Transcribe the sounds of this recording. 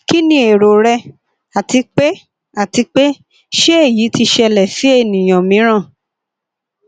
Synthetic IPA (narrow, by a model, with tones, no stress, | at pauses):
ki˦nĩ˧˦e˨ɾo˨ɾɛ˧ | a˨ti˧k͡pe˦ | a˨ti˧k͡pe˦ | ʃe˦e˦˨jiː˨˦ti˧ʃɛ˧lɛ˨fi˨˦e˦˨nĩ˨j̃ɔ̃˨mĩ˨˦ɾ̃ã˦˨